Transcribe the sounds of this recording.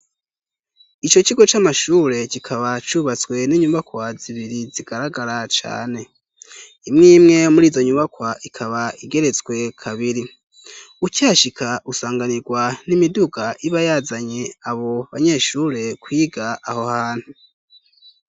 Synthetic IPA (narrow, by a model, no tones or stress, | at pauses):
it͡ʃo̞t͡ʃiɡo̞t͡ʃamaʃuːɾe̞kikʰaβat͡ʃuβat͡swe̞niːɲumbakwaziβiɾiziɡ̥aɾaɡaɾat͡ʃa̰ːne̞ | imŋiːmŋe̞muɾiːzo̞ɲumβbakwaʔikʰaβaiɡe̞ɾe̞t͡sɡwe̞kʰaβiɾi | ucaːʃikʰaʔusaːŋɡaniɡwanimiduɡaʔiβajaːzaɲe̞aβo̞βaɲe̞ʃuɾe̞kwiːɡaːho̞haːn̥hu